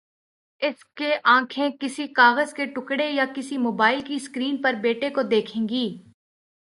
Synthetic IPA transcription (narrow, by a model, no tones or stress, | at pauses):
ɪskeʔãːkʰẽkɪsikaːɣəzkeʈʊkɽejakɪsimoːbaːɪlkiskɾiːnpɐɾbeːʈekod̪eːkʰẽːŋɡiː